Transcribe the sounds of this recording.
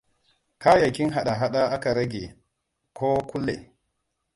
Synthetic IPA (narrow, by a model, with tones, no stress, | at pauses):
ka˦ja˨ki˦nɦa˨ɗa˨ɦa˦ɗa˦a˦ka˨ɾa˦ɡʲe˨ | kʰo˦ku˦lːḛ˨